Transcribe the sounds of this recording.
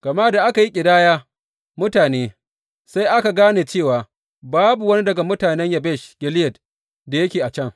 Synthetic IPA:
ɡ̥ɐ˨ma˦da˨ʔa˦ka˨ji˦kʲʼɪ˨daː˦jaː˦ | mʊ˦taː˨neː˦ | sa˦jʔa˦ka˨ɡaː˦neː˨t͡ʃeː˦˨waː˨ | baː˦bu˨wɐ˦ni˦dɐ˨ɡa˨mʊ˦taː˨nɛ˦ɲja˨bɛ˦˨ʃɡ̥ʲɪ˨lɪ˦jɐ˨t | da˨jɐ˦kʲeː˨ʔa˨t͡ʃɛ˦˨ŋ

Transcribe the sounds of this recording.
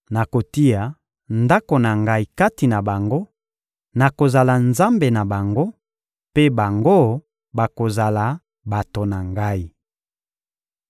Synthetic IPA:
na˨ko˨ti˦ja˨ | nda˦ko˨na˨ŋɡa˦i˨ka˦ti˨na˨ba˨ŋɡo˦ | na˨ko˨za˨la˨nza˦mbe˨na˨ba˨ŋɡo˦ | pe˦ba˨ŋɡo˦ | ba˨ko˨za˨la˨ | ba˨to˨na˨ŋɡa˦i˨

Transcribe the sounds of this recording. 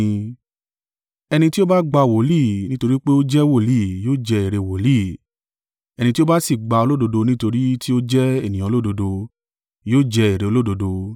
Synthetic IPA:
ɛ˧nĩ˧ti˦o˦ba˦ɡ͡ba˧˨wo˨˦liː˦˨nĩ˦to˧ɾi˦k͡pe˦o˦d͡ʒɛ˦wo˦˨liː˦˨joː˦d͡ʒɛ˧i˨ɾe˧˨wo˨˦liː˦˨ | ɛ˧nĩ˧ti˦o˦ba˦si˦˨ɡ͡ba˧o˧lo˦do˧do˧nĩ˦to˧ɾi˦ti˦o˦d͡ʒɛ˦e˦˨nĩ˨ã˨˧lo˦˨do˧do˧ | joː˦˨d͡ʒɛ˧i˨ɾe˨o˧lo˦do˧do˧

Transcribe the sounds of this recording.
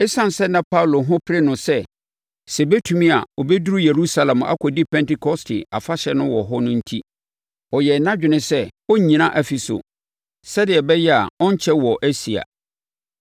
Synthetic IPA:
e˦sã˦n˨sɛ˦nã˦pʰa˦˨lo˨ɦʊ̃˦pʰɪ˦ɾe˦nʊ̃˨sɛ˦ | sɛ˨bɛ˦tʰu˨mĩ˦a˨ɔ˨bɛ˦du˦ɾu˦je˨ɾu˦sa˦lã˨ma̰˦kʰʷɔ˨di˦pʰɛ̃˦ntɪ˦kʰɔ˦stʰɪ˨a˨fa˦ɕɛ˨nʊ̃˦wɔ˨ɦɔ˦nʊ̃˦n̩˦tʰi˦ | ɔ˨jɛ˨nã˦d͡ʑᶣɪ˨nɪ̃˦sɛ˦ɔ˦ɲĩ˨nã˦ʔæ˦˨fi˨sʊ̰˨ | sɛ˦dɪ˨ɛ˨bɛ˦jɛ˦a̰˨ɔ̃˦ɲ˦t͡ɕʰɛ˦wɔ˨ʔæ˦si˨a̰˨

